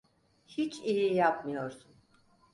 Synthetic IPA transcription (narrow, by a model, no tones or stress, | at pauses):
hit͡ʃʰijijap̚mɯjo̞ɾsun